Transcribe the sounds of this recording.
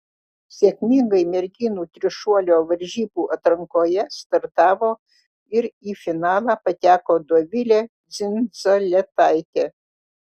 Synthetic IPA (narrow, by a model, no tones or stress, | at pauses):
sʲeːkʲmʲɪŋɡɐɪmʲɛɾʲɡʲɪnuːt̪ʲɾʲɪʃuɔlʲoːʋɐɾʲʒʲiːbuːʔɐt̪ɾɐŋkoːjɛst̪ɐɾt̪ɑːʋoː | ɪɾiːfʲɪnɑːlˠɑːpɐt̪ʲæːkoːd̪oɔʋʲɪlʲeːd̪zʲɪnzolʲɛt̪ɑɪt̪ʲe